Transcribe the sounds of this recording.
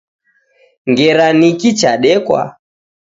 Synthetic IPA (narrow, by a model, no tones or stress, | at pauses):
ŋɡɛɾanikit͡ʃaɗɛkwa̰